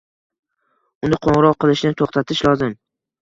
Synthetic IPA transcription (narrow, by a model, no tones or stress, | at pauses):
ʊnd̪aqʰoɴʁɾɒqɨlˠɪʃnɪt̪ʰoχt̪ʰat̪ʰɪʃlˠɒzɪm